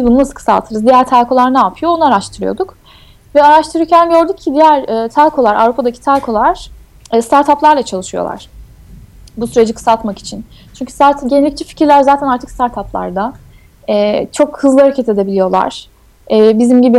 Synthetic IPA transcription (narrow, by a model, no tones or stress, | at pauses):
bizbununasɯ̥kʰɯ̥sa̰lˠt̪ʰɯɾɯzd̪ijæɾt̪ʰalkʰo̞lˠaɾnaːpʰɯjo̞onuaɾaʃt̪ʰɯɾɯjo̞̰d̪uk | vɛaɾaʃt̪ʰɯɾɯɾcʰænjo̞ɾd̪uk̚cʰːid̪ijæɾɛːt̪ʰalʲkʰo̞lˠaɾa̰vɾupʰad̪acʰi̥t̪ʰalkʰo̞lˠaɾ̥ | ɛst̪ʰaɾt̪ʰaplˠaɾlˠat͡ʃʰalˠɯʃɯjo̞̰lˠa̰ɾ̥ | busyɾe̞d͡ʒikʰɯ̥sat̪maki̥t͡ʃʰin | t͡ʃʰyɲʲcʰy̥zaɾt̪ʰnɟenelʲic̚t͡ʃʰɛfi̥cʰiɾlʲæɾzaːt̪ʰænaɾt̪ʰɯ̥kst̪ʰaɾt̪ʰaplˠa̰ɾd̪a | ɛːt͡ʃʰo̞khɯzlˠɯhaɾacʰet̪e̞d̪e̞bilʲijo̞lˠa̰ɾ̥ | ɛːbizimɟibi